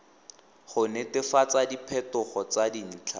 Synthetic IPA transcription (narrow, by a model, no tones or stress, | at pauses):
χʊnetɪfat͡sadipʰɛtʊχɔt͡sadin̩ːt͡ɬʰa